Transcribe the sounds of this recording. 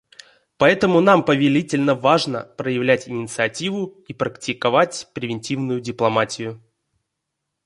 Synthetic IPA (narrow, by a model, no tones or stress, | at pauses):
pɐɛt̪əmʊn̪ampəvʲɪlʲitʲɪlʲnəvaʐnə̰pɾəjɪvlʲætʲɪnʲɪt̪sɨɐtʲivʊipɾəktʲɪkɐvatʲpɾʲɪvʲɪnʲtʲivnʊjʊdʲɪplˠɐmatʲɪjʊ